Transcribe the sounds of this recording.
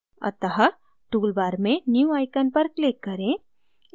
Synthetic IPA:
ɐ̰t̪əɦə | ʈuːlbaːɾmẽnjuaːɪkənpɐɾklɪkːɐɾẽ

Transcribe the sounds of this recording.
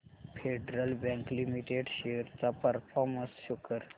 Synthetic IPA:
fʰeɖɾəlbɛ̃ŋklimiʈeɖɕeɾt͡sapəɾfɔɾməsɕukəɾ

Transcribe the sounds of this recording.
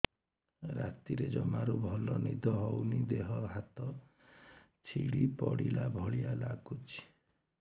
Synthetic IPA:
ɾat̪iɾed͡ʒɔmaɾubʱɔlɔnid̪ʱɔɦɔwnid̪eɦɔɦat̪ɔ | t͡ʃʰiɽipɔɽilabʱɔɭijalaɡut͡ʃʰi̥

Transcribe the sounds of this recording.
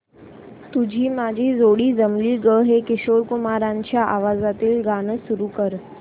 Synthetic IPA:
t̪ud͡ʑʱiːmad͡ʑʱiːzoɽiːd͡zəmliːɡəɦekɪɕoɾkumaɾãɲt͡ɕjaʔaʋazat̪iːlɡanəsuɾuːkəɾ

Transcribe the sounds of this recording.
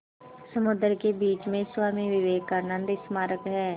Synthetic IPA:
səmʊd̪əɾkebiːt͡ʃmẽswaːmiʋɪʋeːɡkəɾnə̃nd̪ɪsmaːɾəkɦɛː

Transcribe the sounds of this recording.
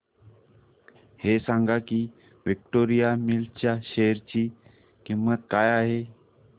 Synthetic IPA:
hesãŋɡakiː | ʋik̚ʈoɾijamilt͡ɕjaɕeɾt͡ɕiː | kiŋʋat̪kajaɦe

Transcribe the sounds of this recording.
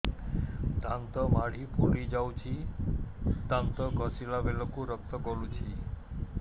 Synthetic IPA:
d̪ant̪ɔmaɽ̤ipulid͡ʒawt͡ʃʰi | t̪ant̪ɔɡʱɔsilabelɔkuɾɔk̚t̪ɔkɔɾũt͡ʃʰi

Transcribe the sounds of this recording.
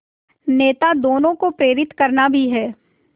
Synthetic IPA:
neːt̪ad̪oːnõkopɾeːɾɪt̪kɐɾnabʱiɦɛː

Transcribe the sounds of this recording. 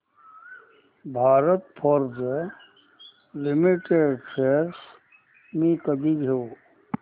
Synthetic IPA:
bʱaːɾət̪pʰəɾz | limiʈeɖfʰeɾs | mĩkəd̪iɡʱoː

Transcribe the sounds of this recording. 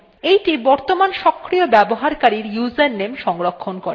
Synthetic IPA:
ejʈibɔɾt̪omanʃɔkʰːɾiobɛboɦaɾkaɾiɾjuzenːemʃɔŋɾokʰːonkoɾe

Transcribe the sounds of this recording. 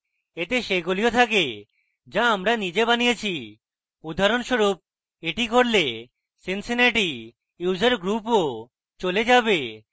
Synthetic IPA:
et̪eʃeɡoliot̪ʰake | d͡ʑaamɾanid͡ʑebanijet͡ɕʰi | ud̪ʱaɾonʃoɾup̚ | eʈikoɾle | sinsineʈi | jud͡ʑeɾɡɾupo | t͡ɕoled͡ʑabe

